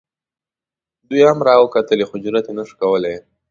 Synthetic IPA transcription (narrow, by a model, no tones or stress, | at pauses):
d̪ujhamɾɑwəkat̪əlexʊd͡ʒʊɾat̪enəʃi̥kawəle